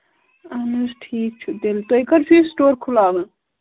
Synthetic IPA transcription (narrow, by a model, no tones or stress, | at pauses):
ɐnɐsʈʰiːk̚t͡ʃʰud̪elt̪oikɐɾt͡ʃʰisʈoːɾkʰulaːʋɐ